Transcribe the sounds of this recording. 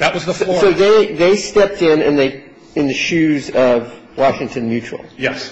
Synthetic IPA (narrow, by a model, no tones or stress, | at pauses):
ðɨt̚wʌzsoʊðeɪðeɪstɛp̚tɪ̃nɨ̰̃nðeɪ | ɨ̃nðɨʃʉzʌv | wɑʃɪ̃ŋtʰɨ̃nmjʉt͡ʃṵl̩ˠjɛs